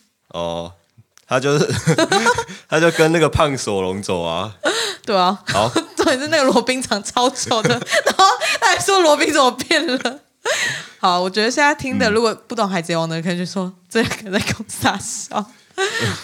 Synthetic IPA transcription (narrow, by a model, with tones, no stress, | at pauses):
ʔɔ̰˨˩ | t̪ʰa˥t͡ɕjo˥˧ʊ | t̪ʰa˥t͡ɕjo˥˩ʊkə˦nna˥˩ɡə˩pʰa˥˩ŋso˨˩lʊ˧˦ŋt͡so˨˩ʊa̰˦t̪we˥˩ɪɔ˨˩˨t͡so˥˩˨ʂ̩˥na˥˩ɡə˨lwɔ˧˥pi˥ŋʈ͡ʂʰɑ˨˩ŋt͡sʰɑ˥ʊt͡ɕo˨˩ʊd̪ə˩na˧˦˥la˧˥swɔ˥lwɔ˧˥pi˥ŋt͡so˨˩˨pjɛ˥˩nlə˩ | xɑ˨˩ʊwɔ˨˩t͡ɕɥɛ˧˥d̪ə˧ɕjɛ˥˨nsa˥˩ɪt̪ʰi˥ŋd̪ə˨ɻu˧˥kwɔ˨˩pu˥˩t̪ʊ˥˩ŋxa˧˥ɪt͡sjwɑ˨˩ŋd̪ə˩kʰə˧˩nə˨˩t͡ɕʰo˥˩ʂwɔ˥ʈ͡ʂə˥˧jɑ˥˩ke˨˩ɪt͡sa˥ɪkʰo˥˧ŋsa˥˩ɕjɑ̰˥˩ʊ